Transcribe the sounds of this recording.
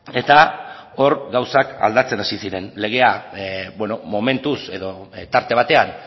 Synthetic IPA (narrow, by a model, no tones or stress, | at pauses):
e̞t̪ao̞ɾɡawsaka̰ld̪at͡se̞nasisiɾe̞nle̞ɣ̞e̞abweno̞mo̞me̞nt̪use̞ðo̞t̪aɾt̪e̞β̞at̪e̞an